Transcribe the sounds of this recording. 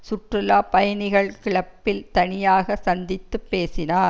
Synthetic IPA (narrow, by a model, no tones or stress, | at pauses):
sʊʈrɯlaːpɐjɐnɪɣɐɭkɪɭɐpːɪlt̪ɐnɪjaːɣɐsɐnd̪ɪt̪ːɯpːeːsɪnaːɾ